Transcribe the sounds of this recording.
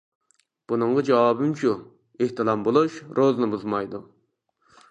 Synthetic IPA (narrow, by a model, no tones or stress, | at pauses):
b̥unɨɴʁɑd͡ʒɑwɑbɪmt͡ʃʰu | eht̪ɨlˠɑmbolˠuʃɾʔoznɨbuzmɑjd̪u